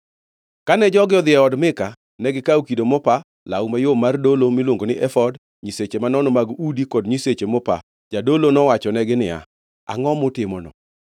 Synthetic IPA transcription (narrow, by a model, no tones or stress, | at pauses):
kanɛd͡ʒɔɡɪɔd̪ɪɛɔdmɪka | nɛɡɪkaukidomɔpa | laumajomardolomɪlwoŋɡonɪʔɛfɔd | ɲiset͡ʃemanɔnɔmaɡudikɔdɲiset͡ʃemɔpa̰ | d͡ʒadolonɔwat͡ʃɔnɛɡɪnɪja̰ | a̰ŋɔmʊtɪmɔnɔ̰